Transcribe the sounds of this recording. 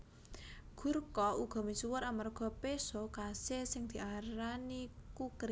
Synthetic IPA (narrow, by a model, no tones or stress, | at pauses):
ɡ̥ṳrkɔuɡ̥ɔ̤misuwʊɾamarɡ̥ɔ̤pesokasesɪŋd̪̥i̤ʔaɾanikukɾi